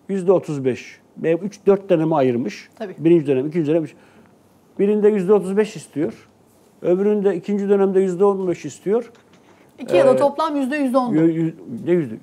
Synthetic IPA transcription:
jyzd̪ɛot̪ʰuzbɛʃ | mɛyt͡ʃd̪øɾt̪̚d̪enemiajɯɾmɯʃt̪ʰaibiɾind͡ʒid̪ønɛmicʰind͡ʒid̪ɛmyt͡ʃ | biɾind̪ɛjyzd̪ɛo̞t̪ʰuzbɛʃist̪ʰijo̞ɾ̥ | øβɾynd̪ɛicʰind͡ʒid̪ø̞næmd̪ɛjyzd̪ɛonbɛʃist̪ʰijo̞ɾ | iijad̪at̪ʰoplˠamjyzd̪ɛjyzd̪ɛond̪nɛjyzd̪ɛ

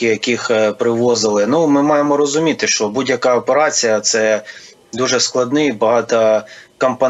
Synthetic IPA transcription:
ɪjɐkixpɾɪʋɔzɪlˠɪnumɪmɑjemɔɾɔzʊmʲit̪ɪʃt͡ʃɔbudʲjɐkɑɔpeɾɑt͡sʲijɐt̪sɛ | d̪uʒɛsklˠɐd̪nɪjibɐɦɑt̪ɐkɐmpɐ

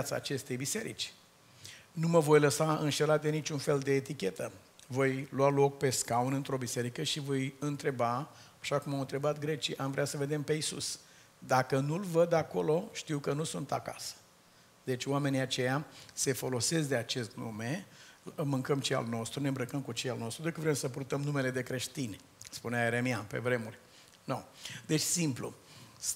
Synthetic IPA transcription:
at̪sa̰ːt͡ʃe̞st̪e̞jbise̞ɾḭt͡ʃʲ | numəvo̞jləsaɨnʃe̞lat̪̚d̪e̞nit͡ʃunfe̞ld̪e̞ːt̪ikʲe̞t̪ə | vo̞jlwalo̞k̚pe̞skaunɨnt̪ɾo̞bise̞ɾikəʃivo̞jɨnt̪ɾe̞baː | ʃakumawɨnt̪ɾe̞bat̪̚ɡɾe̞t͡ʃiʔamvɾeasəve̞d̪e̞mpe̞isṵs | d̪akənulvəd̪ako̞lo̞ʃt̪iwkənusunt̪a̰ka̰sə̥ | d̪̥e̞t͡ʃʲwame̞niat͡ʃe̞jase̞fo̞lo̞se̞skd̪e̞at͡ʃe̞st̪nṵme̞ | mɨŋkəmt͡ʃea̰lno̞st̪ɾunembɾəkəmkut͡ʃealno̞st̪ɾud̪ekəvɾemsəpurt̪əmnume̞le̞d̪e̞kɾe̞ʃt̪inʲ | spuneaeɾe̞mianpe̞̰vɾe̞murʲ | nod̪e̞t͡ʃʲsimplṵ

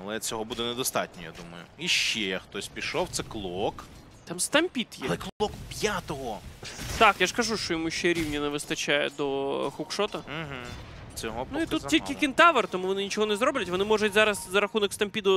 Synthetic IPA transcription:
ɐlˠɛt͡sʲɔɦɔbud̪ɛnɛd̪ɔst̪ɑ̰tʲnʲɔja̰d̪umɐ̰jʊ̰iʃt͡ʃːɛjaxt̪ɔsʲpʲiʃɔwt̪sɛklˠɔk | t̪amst̪ɐmʲpʲit̪jɛlɛkˠɔkpʲjat̪ɔɦɔt̪ɑkjaʂkɐʒuʂt͡ʃɔjɔmuʃɛɾʲiwnʲɐnɛʋɪst̪ɐt͡ʃajɛ̰d̪ɔxukʃɔt̪ɐɦ̩ | t͡sʲɔɦɔbnʊiut̪ʲːilʲkʲɪkʲɪnt̪ɑʋɐrt̪ɔmuʋɔnɪnʲit͡ʃɔɦɔnɛzɾɔblʲɐtʲʋɔnɪmɔʐʊtʲzɑɾɐszɐɾɐxunɔkst̪ɐmʲpʲid̪ʊ

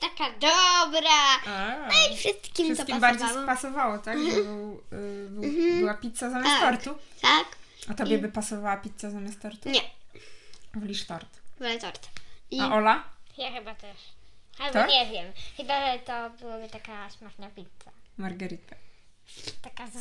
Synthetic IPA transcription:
t̪akad̪ɔbɾaafʂɨst̪kʲiʂmst̪ɔkʲimbaɾd͡ʑejsɔpasɔvawɔt̪aɡbɨwb̩bɘwapʲit̪sazamʲjasst̪ɔɾt̪ut̪ak | at̪ɔjɛbɘpasɔvawapʲit̪sazamʲast̪ɔɾt̪uɲɛ | vlʲiʂt̪ɔɾt̪vlɛt̪ɔɾt̪iaʔɔlajaxɘbat̪ɛʂalt̪ɔɲɛvʲjɛmxɘbat̪ɔbɨwabɘt̪akaɕmaxɲapʲit̪samaɾɡɛɾit̪ɛ̥ | t̪aka

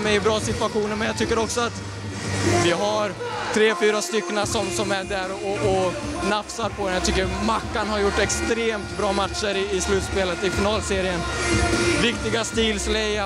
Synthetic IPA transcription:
mɛjɪbɾɑːsɪt̪vaɧuːnəɾmɛnjat̪ʰʏkːəɾɔksɔat̪ | vɪɦaɾ | t̪ʰɾeːfyːɾast̪ʏkːənasɔmsɔmæɖæɾɔɔ | nafsaɾpʰɔd̪ɛnjat̪ʰʏkːəɾmakːanhaɾjʊʈːɛkst̪ɾeːmt̪bɾɑːmat̪ʂəɾɪːslʉ̟ːt̪speːlət̪ɪfɪnɑːlseːɾɪən | vɪkt̪ɪɡast̪iːlslɛja

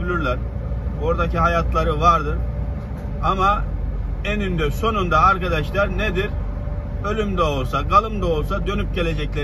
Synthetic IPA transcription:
ylʲyɾlʲæɾ | boɾd̪aciɦajat̪ʰlˠaɾɯvaɾd̪ɯɾ | ama | enynd̪ɛso̞nund̪aːɾkad̪aʃlˠaɾned̪iɾ | ø̞lʲymd̪ɛo̞lˠsaɡalˠɯmd̪ao̞lˠsad̪ø̞nyp̚ɟe̞lʲe̞d͡ʒɛclʲe

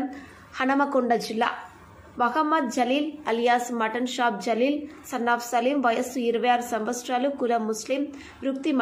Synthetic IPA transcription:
hɐnɐmɐkɔɳɖɐd͡ʒɪlːa̰ː | ʋɐɣɐmːɐd̪̚d͡ʒɐliːlɐlɪjaːsmɐʈːɐnʃaːp̚d͡ʒɐliːlsɐnːaːfsɐlimʋɐjɐsɯɪɾɯʋɐjaːɾsɐmʋɐsʈɾaːlɯkːʊɾɐmːʊslɪm | ɾʊk̚t̪im

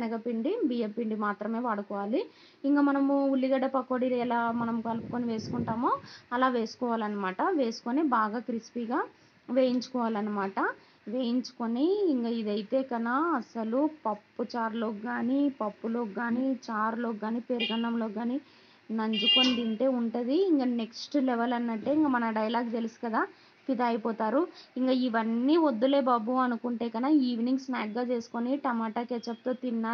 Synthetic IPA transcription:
ɐnɐɡɐpiɳɖibijepːiɳɖimaːt̪ɾɐme̞ːʋaːɽukɔːʋaːli | iŋkaːmɐnɐmuulːiɡɐɽɐpɐkːoːɽilɛlaːmɐnɐmukɐlpu̥koːniʋe̞ːsu̥kuɳʈaːmoːɐlaːʋe̞ːsu̥kɔːʋaːlɐnːɐmaːʈɐʋe̞ːsu̥koːniːbaːɡaːkɾispiːɡaː | ʋe̞ːjiɲt͡ʃu̥kɔːʋaːlɐnːɐmaːʈɐ | ʋeːjiɲt͡ʃu̥koniiŋkaːid̪ɐjit̪e̞ːkɐnaɐsɐlupɐpːut͡ʃaːɾloːɡaːniːpɐpːulo̞ːɡaːniːt͡ʃaːɾlo̞ːɡaːniːpeɾɡɐnːɐmloːɡaːniː | nɐɲd͡ʒukond̪iɳʈe̞ːuɳʈɐd̪iːŋkane̞ksʈlɛʋɐlɐnːɐʈːe̞ːiŋɡamɐnɐɖɐjlaːɡt̪e̞lusi̥kɐd̪aː | pid̪ɐːjpɔːt̪aːɾuiŋkaːiʋɐnːiːʋod̪ːule̞ːbaːbuɐnukuɳʈe̞ːkɐnaːiːʋniŋɡsnaːɡɡaːt͡ʃe̞ːsu̥koniʈɐmaːʈaːkeːt͡ʃɐpt̪oːt̪inːaː

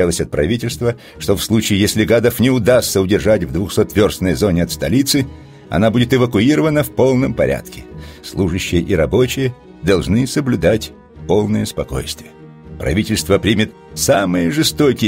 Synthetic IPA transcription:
alˠəsʲɐt̪̚pɾʔɐvʲitʲɪlʲst̪və | ʂt̪ofslˠut͡ɕɪːjesʲlʲɪɡad̪əfnʲɪʊd̪ast̪səʊdʲɪrʐatʲvd̪vʊxsot̪ːvʲorsnəjzo̞nʲɪɐt̪st̪ɐlʲit̪sɨ | ɐ̰nabudʲɪt̪ɨvəkʊiɾəvənəfpo̞lˠnəmpɐɾʲʔa̰t̪kʲɪ̥slˠuʐɨɕːɪjəʔiɾɐbo̞t͡ɕɪjə | d̪ɐlˠʐnɨsəblʲʊd̪atʲ | po̞lˠnəjəspɐko̞̰jst̪vʲɪjə | pɾɐ̰vʲitʲɪlʲst̪vəpɾʲimʲɪt̪ | samɨjəʐɨst̪okʲɪ

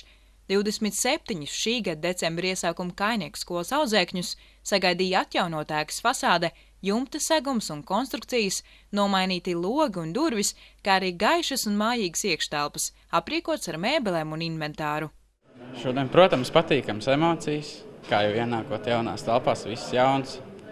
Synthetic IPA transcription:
d̪̥iwd̪esmit̪sep̚t̪iɲisʃiːɡad̪̚d̪et̪sɛmbɾiɛsaːkumkajniɛkskuɔlˠsawzɛːkɲusː | aɡajd̪ijat̪jawnuɔt̪æːkə̥sfasaːd̪ɛ | jumt̪ɨsæɡumsunkɔnst̪ɾuk̚t̪sijəs | nuɔmajniːt̪ilˠuɔɡiund̪uɾviskaːaɾiːɡajʃɐsunmaːjiːɡsiɛkʃt̪ælˠpə̥s | apɾiːkuɔt̪saɾmeːbɛlˠɛːmuninvɛnt̪aːɾu | ʃuɔd̪iɛnpɾuɔt̪amspat̪iːkamsemoːt̪sijskaːjɛwiɛnaːkuɔt̪jawna̰ːst̪alˠpaːsʋisːjawns

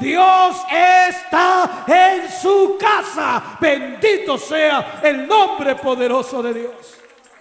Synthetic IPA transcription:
d̪josest̪aensukasaβend̪it̪o̞seaelnõmbɾe̞po̞ðe̞ɾo̞so̞ðe̞ðjos

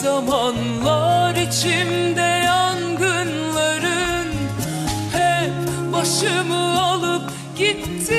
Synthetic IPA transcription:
amanlˠaɾit͡ʃʰind̪ɛaŋɡɯnlˠaɾɯn | hɛp | baʃɯmɯalˠɯp̚ | ɟ̥it̪ːi

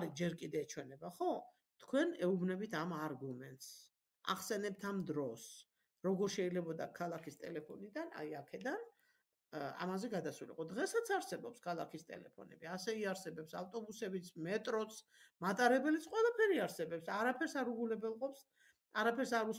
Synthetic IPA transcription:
ɾid͡ʒɛɾkʼid̪ɛːt͡ʃʰwɛnɛbaχɔ | t̪ʰkʰwɛnɛubnɛbit̪ʰamaɾɡumɛnt̪ʼs | a̰χsɛnɛp̚t̪ʰamd̪ɾɔs | ɾɔɡɔɾʃɛilɛbɔd̪a̰kʰalˠakʰist̪ʼɛlɛpʰɔnid̪ana̰jakʰɛd̪an | a̰mazɛɡad̪asulḭqʼɔd̪ʁɛsat̪sʰaɾsɛbɔpskʰalˠakʰist̪ʼɛ̰lɛ̰pʰɔ̰nɛ̰biasɛiaɾsɛbɛpsaft̪ʼɔbusɛbit̪sʰmɛt̪ʼɾɔt̪sʰ | mat̪ʼaɾɛbɛlit̪sʰqʼwɛlˠapʰɛɾiaɾsɛbɛpsaɾapʰɛɾsaɾuɡulɛbɛlˠqʼɔps | aɾapʰɛɾsaɾu

